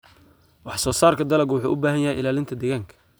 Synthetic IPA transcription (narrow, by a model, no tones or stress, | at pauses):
wɑħsɔːsaːrkʰɐd̪ɐlɐɡwʊħṵːʔʊbaːɦɐjɐɦɛjʔɪlaːlɪnt̪ʰɐd̪ɛɣaːŋkʰɐ̥